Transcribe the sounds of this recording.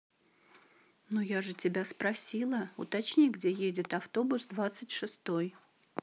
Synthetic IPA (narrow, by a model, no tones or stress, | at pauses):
nujaʐɨtʲɪbʲaspɾɐsʲilˠəʊ̰t̪ɐt͡ɕnʲiɡdʲejedʲɪt̪ɐft̪o̞bʊsd̪vat̪sɨtʲʂɨst̪o̞j